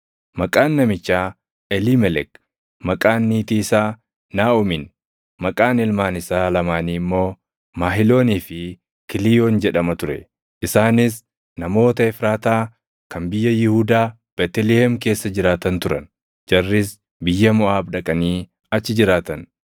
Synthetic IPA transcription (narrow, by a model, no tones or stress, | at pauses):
mɐkʼaːnːɐmɪt͡ʃːaː | ɛliːmɛlɛk | mɐkʼaːnːiːt̪iːsaː | naːʊmɪn | mɐkʼaːnɪlmaːnɪsaːlɐmaːniːmːo̞ː | maːɦɪlo̞ːniːfɪ | kɪlɪjoːnd͡ʒɛᶑɐmɐt̪ʊɾɛ̰ | ʔɪsaːnɪs̬ | nɐmo̞ːt̪ɐɪfɾaːt̪aː | kɐnbɪjːɐjɪhuːd̪aː | b̥ɛt̪ɛlɛhɛmke̞ːsːɐd͡ʒɪɾaːt̪ɐnt̪ʊɾɐ̰n | d͡ʒɐrːɪs̬ | bɪjːɐmʊʔaːbᶑɐkʼɐniː | ɐt͡ʃːɪd͡ʒɪɾaːt̪ɐn